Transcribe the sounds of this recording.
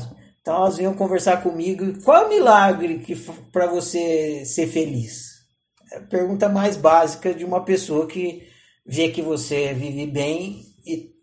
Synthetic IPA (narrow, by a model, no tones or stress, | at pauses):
ẽt̪ɐ̃w̃ɛlɐzvĩɐ̃w̃kõveɾsaɾkõmiɡʊɪkwawɛmilaɡɾɪkɪfpɾɐvoseseɾfelis | ɛpeɾɡũnt̪ɐmajzbazikɐd͡ʒɪũmɐpesoɐkɪ | viɐkɪvosevivɪbẽj̃ | ɪ